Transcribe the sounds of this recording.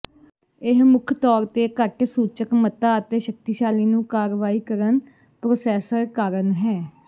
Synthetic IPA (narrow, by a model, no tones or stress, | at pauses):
ɪɦmʊkʰt̪ɔːɾt̪eːkəɾkesuːt͡ʃəkmət̪aːət̪eːʃək̚t̪iːʃaːliːnũːkaːɾʋaːiːkəɾən | pɾoːsɛːsəɾkaːɾənɦɛː